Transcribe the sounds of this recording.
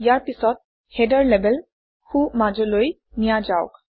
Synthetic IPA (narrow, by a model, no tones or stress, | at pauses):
jaɹpisɔt̚ | hɛdaɹlɛbɛl | xumad͡ʒɔloj | nijad͡ʒaʊk